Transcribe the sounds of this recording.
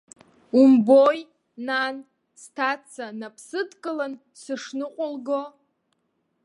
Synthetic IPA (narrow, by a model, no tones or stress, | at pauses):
umboj | nan | stʰat͡sʰanapʰsɨdkʼɨlan | sɨʂnɨqʷʼʊlɡo